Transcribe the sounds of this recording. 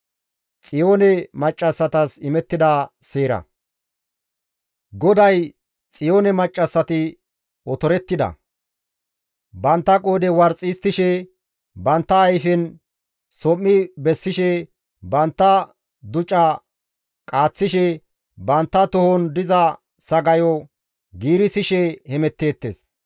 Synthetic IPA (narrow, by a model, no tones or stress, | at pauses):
t͡sʼɪjoːnɛmɐt͡ʃʼːɐsːɐt̪ɐsɪmɛt̪ːɪd̪ɐseːɾɐ̰ | ɡɔd̪ɐj | t͡sʼɪjo̞ːnɛmɐt͡ʃʼːɐsːɐt̪ɪ | ɔt̪ɔɾɛt̪ːɪd̪ɐ̰ | bɐnt̪ːɐkʼo̞ːd̪ɛwɐɾt͡sʼiːst̪ːɪʃɛ | bɐnt̪ːɐːjfɛn | sɔmːɪbɛsːɪʃɛ | bɐnt̪ːɐ | d̪ʊt͡ʃʼːɐ | kʼaːt͡sːɪʃɛ | bɐnt̪ːɐt̪ʊhɔnd̪ɪzɐ | sɐɡɐjɔ | ɡiːɾɪsɪʃɛhɛmɛt̪ːe̞ːt̪ːḛːs